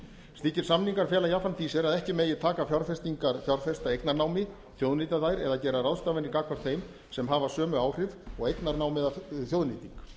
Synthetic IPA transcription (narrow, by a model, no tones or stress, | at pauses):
st̪iːcːɪɾ̥samniŋkaɾ̥fjɛːlajaːfanfiːsɛɾaðɛhcɪmeːjɪt̪ʰaːkafjawɾfɛst̪iŋkaɾfjawɾθfɛst̪aejk̪naɾnaːwmɪ | θjowðnit̪aðajɾɛðacɛːɾaraðst̪aːvɛnːɪkaːkvaɾ̥θejm | sɛmɦaːvasœːmʏaːwr̥ɪvɔɣejk̪naɾnaːwmɪðaθjowðniːt̪iŋk